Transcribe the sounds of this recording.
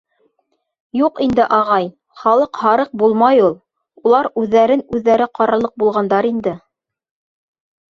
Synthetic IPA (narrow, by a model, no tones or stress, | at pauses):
juqind̪ɘʔɑʁɑj | χɑlˠɤqhɑɾɤq̚bulˠmɑjulˠ | ulˠɑɾʉðːæɾɘnʉðːæɾɘqɑɾɑlˠɤq̚bulˠʁɑnd̪ɑɾind̪ɘ